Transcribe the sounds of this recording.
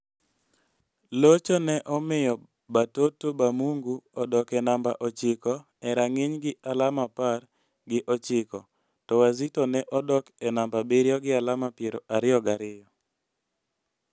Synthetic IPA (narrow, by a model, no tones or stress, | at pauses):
lot͡ʃonɛʔɔmɪjɔ | batotobamuŋɡuɔdɔkɛnamba̰ʔɔt͡ʃɪkɔ | ɛɾaŋɪɲɡɪʔalamapar | ɡɪʔɔt͡ʃɪkɔ | tɔwazitonɛʔɔdɔkɛnambabeɾjɔɡɪalamapjeɾoʔaɾɪɔɡaɾɪjɔ